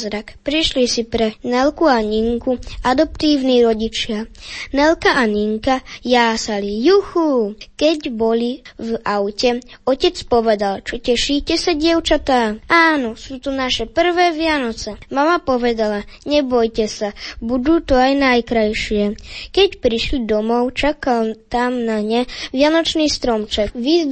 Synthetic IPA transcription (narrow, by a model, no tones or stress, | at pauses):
zɾakpɾiʃlisipɾɛnɛlkuaɲiŋkuad̪ɔpt̪iːʋniːɾɔɟit͡ʃɪanɛlkaʔaɲiŋkajaːsalijuxukɛɟbɔlivaʊcɛɔcɛt͡spɔʋɛd̪alt͡ʃɔcɛʃiːcɛsaɟɪɛʊt͡ʃat̪aːaːnɔsuːt̪unaʃɛpr̩ʋɛːʋɪanɔt͡sɛmamapɔʋɛd̪alaɲɛbɔjcɛsabud̪uːt̪ɔajnajkɾajʃɪɛkɛcpɾiʃlid̪ɔmɔʊt͡ʃakalt̪amnaɲɛʋɪanɔt͡ʃniːst̪ɾɔmt͡ʃɛkʋi